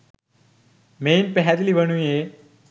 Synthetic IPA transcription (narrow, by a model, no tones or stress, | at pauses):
meːnpeɦad̪ilibəɽ̃uje